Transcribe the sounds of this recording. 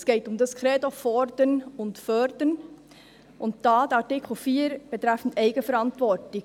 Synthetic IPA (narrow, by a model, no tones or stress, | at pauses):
sɡ̥eːtʊmdaskɾeːdofɔɾdənʊntfœɾdən | ʔʊnt̚d̥aːdɑtɪkʰl̩fiːɾb̥ətɾɛfn̩teɪɡəfɛɾɑntvɔɾtɪ